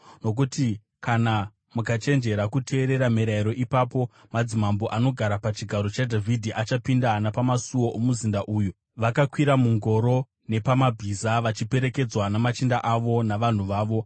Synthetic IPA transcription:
no̞k̬uti | kana | mukat͡ʃe̞nd͡ʒe̞ɾakutʰe̞ːɾe̞ɾamiɾaiɾo̞ʔipapo̞ | mad͡zimamboʔano̞ɡʱaɾapat͡ʃiɡʱaɾo̞t͡ʃadʱavʱidʱiʔat͡ʃapindanapamasuwo̞ʔomuzindaʔuːju | ʋakakwiɾamuŋɡo̞ɾo̞ | ne̞pamabʱizaʋat͡ʃipe̞ɾe̞ke̞d͡zwanamat͡ʃindaʔaʋo̞naʋan̤uʋaːʋo̞

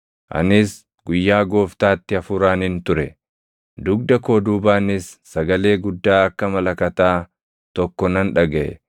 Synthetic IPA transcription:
ʔɐ̰nɪs | ɡʊjːaːɡo̞ːft̪aːt̪ːɪɐfʊɾaːnɪnt̪ʊɾɛ | d̪ʊɡd̪ɐko̞ːd̪uːbaːnɪsːɐɡɐle̞ːɡʊd̪ːaːɐkːɐmɐlɐkɐt̪aː | t̪ɔkːɔnɐnᶑɐɡɐʔɛ̰

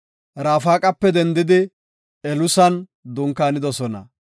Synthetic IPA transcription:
ɾaːfaːkʼɐpːɛd̪ɛnd̪ɪd̪ɪ | ɛlʊsɐn | d̪ʊŋkːaːnɪd̪ɔsɔnɐ̰

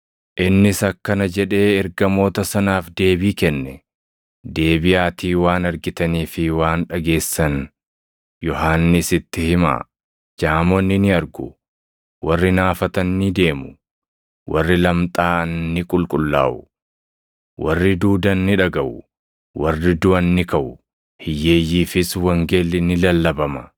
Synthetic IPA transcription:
ʔɪnːɪsɐkːɐnɐd͡ʒɛᶑe̞ːɛɾɡɐmo̞ːt̪ɐsɐnaːfd̪e̞ːbiːkɛnːɛ | d̪e̞ːbɪjaːt̪ʰiːwaːnɐɾɡɪt̪ɐniːfɪwaːnᶑɐɡe̞ːsːɐn | jɔɦaːnːɪsɪt̪ːɪhɪma̰ː | d͡ʒaːmɔnːɪnɪɐɾɡʊ | wɐrːɪnaːfɐt̪ɐnːɪd̪e̞ːmʊ | wɐrːɪlɐmt̪ʼaːɐnːɪkʼʊlkʼʊlːa̰ːʔʊ | wɐrːɪd̪uːd̪ɐnːɪᶑɐɡɐʔʊ | wɐrːɪd̪ʊɐnːɪkɐʔʊ | hɪjːe̞ːjːiːfɪswɐŋɡe̞ːlːɪnɪlɐlːɐbɐmɐ

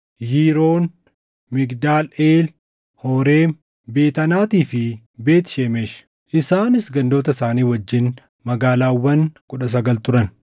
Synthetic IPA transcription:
jiːɾo̞ːn | mɪɡd̪aːleːl | hɔːɾeːm | be̞ːt̪ɐnaːt̪iːfɪ | be̞ːt̪ɪ̥ʃeːmeːʃ | ʔɪsaːnɪsɡɐnd̪o̞ːt̪ɐsaːniːwɐd͡ʒːɪn | mɐɡaːlaːwːɐnkʼʊᶑɐs̬ɐɡɐlt̪ʊɾɐn

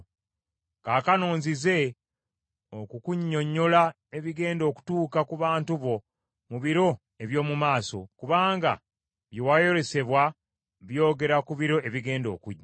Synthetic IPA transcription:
kaːkano̞ːɲzize̞ | okukuɲːo̞ɲːo̞la | e̞βiɡe̞ːndo̞ːku̥tuːkakuβaːntuβo̞ | muβiɾo̞ | e̞βjo̞ːmumaːso̞̰kuβaːŋɡa̰ | βjewajo̞ɾe̞se̞βwa | βjo̞ːɡe̞ɾakuβiɾo̞eβiɡe̞ːndo̞̰ːkuɟːa

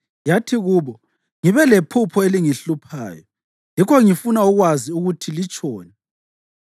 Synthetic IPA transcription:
jatʰiɣuːβɔ | ŋiβɛlepʰupʰɔeliŋiɬupʰa̰ːjɔ̰ | jikʰɔŋifunauɣwaziuɣutʰilit͡ʃʼɔːnɛ

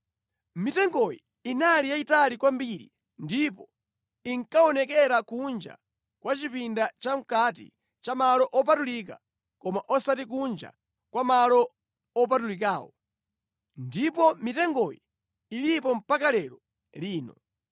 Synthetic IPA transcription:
mitɛŋɡɔjḭː | nalijaitalikwambiɾḭ | ndipɔ | iŋkaɔnɛkɛɾakund͡ʒa̰ | kwat͡ʃipindat͡ʃam̩katḭ | t͡ʃamalɔʔɔp̬atulik̬a̰ | kɔmaʔɔsatik̬und͡ʒa̰ | kwamalɔ | ɔp̬atulikaːwɔ̰ | ndipɔmitɛŋɡɔjiː | lipɔm̩pakalɛɾɔ | liːnɔ̰

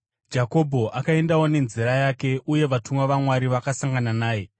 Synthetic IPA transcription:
d͡ʒako̞bʱo̞ʔakae̞ndawo̞ne̞nziɾajaːke̞ʔuje̞ʋatumaʋamwaɾiʋakasaŋɡananaːje̞

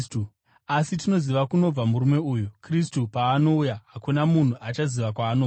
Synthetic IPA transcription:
u | asitino̞ziʋakuno̞b͡vamuɾume̞ujukristupaːno̞ujaɦakunamun̤uʔat͡ʃaziʋakwaːno

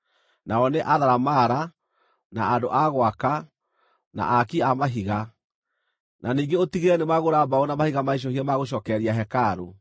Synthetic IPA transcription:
naɔneʔaðaɾamaɾa | na̰andoʔaɣwaka | na̰ʔakiamaɦiɣa | nʔaniːŋɡeotiɣeɛnemaɣoɾabaɔnamahiɣamaiʃ̬ɔhiɛmaɣoɕ̬ɔːkɛɾiaɦɛkaːɾo

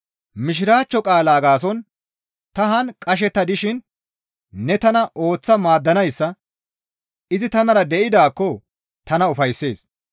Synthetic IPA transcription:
mɪʃ̬ɪɾaːt͡ʃːɔkʼaːlaːɡaːsɔn | t̪ɐɦɐnkʼɐʃ̬ɛt̪ːɐd̪ɪʃɪnː | ɛt̪ɐnɐʔo̞ːt͡sːɐmaːd̪ːɐnɐjsːɐ | ʔɪzɪt̪ɐnɐɾɐd̪ɛʔɪd̪aːkːɔ | t̪ɐnɐʊfɐjsːe̞̰ːs

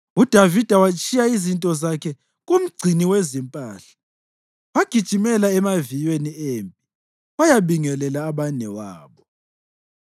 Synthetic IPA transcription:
ud̥ʱavid̥ʱawat͡ʃʼijaizintʼɔzakʰɛ | ɣum̩ɡ͡ǀʱiniwezimpʼa̰ːɬḁ | waɡ̥ʱid̥ʒ̥ʱimɛlaɛmavijweniempʼi | wajaβiŋɛlɛlaːβanɛwaːβɔ

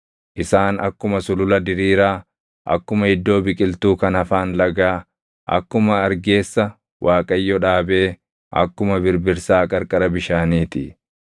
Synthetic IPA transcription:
ʔɪsaːnɐkːʊmɐsʊlʊlɐd̪ɪɾiːɾaː | ʔɐ̰kːʊmɐhɪd̪ːo̞ːbɪkʼɪlt̪uːkɐnɐfaːnlɐɡaː | ʔɐ̰kːʊmɐːɾɡe̞ːsːɐ | wʔaːkʼɐjːɔᶑaːbe̞ː | ʔɐ̰kːʊmɐbɪɾbɪɾsaːkʼɐɾkʼɐɾɐbɪʃaːniːt̪ɪ

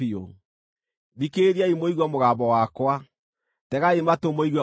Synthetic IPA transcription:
io | ðikeɾiaimoiɣwamoɣaːβɔwakwa | tɛɣaematomoiɣwa

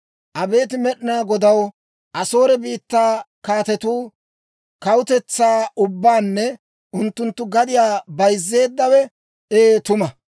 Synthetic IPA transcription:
ʔɐbe̞ːt̪ɪmɛɗɪnaːɡɔd̪ɐw | ʔɐso̞ːɾɛbiːt̪ːaːkaːt̪ɛt̪uː | kɐwʊt̪ɛt͡sːaːʊbːaːnːɛ | ʔʊnt̪ːʊnt̪ːʊɡɐd̪ɪjaːbɐjzːe̞ːd̪ːɐwɛ | eːt̪ʊmɐ

